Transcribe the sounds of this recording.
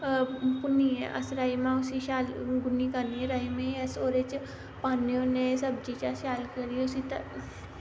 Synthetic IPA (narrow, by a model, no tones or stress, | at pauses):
punieʔɐ̰sɾaimãusiɕalɡunikanieɾaimeəsoɾet͡ɕ | panijõnesɐbd͡ʑit͡ɕaɕalkəɾiusit̪ə